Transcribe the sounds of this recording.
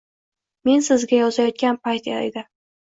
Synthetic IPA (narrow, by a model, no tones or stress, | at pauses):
me̞nsɪzɡʲajɒzajɒt̪̚kʲanpajt̪ḛa̰d̪ɪ